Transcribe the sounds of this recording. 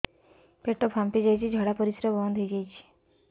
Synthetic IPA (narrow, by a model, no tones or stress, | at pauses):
peʈɔpʰampid͡ʒajt͡ʃʰid͡ʒʱɔɽapɔɾisɾɔbɔnd̪ʱejd͡ʒajt͡ʃʰi̥